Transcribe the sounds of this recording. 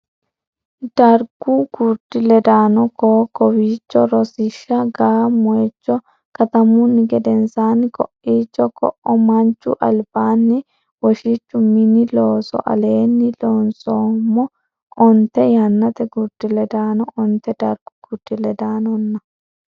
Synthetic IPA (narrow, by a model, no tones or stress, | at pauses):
d̪̥ɐɾɡuɡud̪̥ɪlɛd̪aːnɔkoːkɔwiːt͡ʃːɔɾɔsɪʃːɐɡaːmɔjɛt͡ʃːɔ | kɐt̪ɐmʊnːɪɡɛd̪ɛnsaːnɪkɔʔiːt͡ʃːɔkɔʔɔmɐnt͡ʃːʊ̰ʔɐlb̥aːnːɪ | wɔʃɪt͡ʃːʊmɪnːɪloːsɔ̰ʔɐ̰leːnːɪloːnsoːmːɔ | ʔɔnt̪ːɛjɐnːɐt̪ɛɡuɾd̪̥ɪlɛd̪aːnɔʔɔnt̪ːɛd̪̥ɐɾɡ̥ʊɡ̥ud̪ɪlɛd̪aːnɔnːɐ